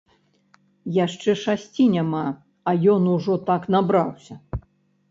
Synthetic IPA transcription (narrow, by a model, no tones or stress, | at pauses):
jaʂt͡ʂɛʂasʲt͡sʲinʲama | ɐjɔnuʐɔt̪aknabɾawsʲɐ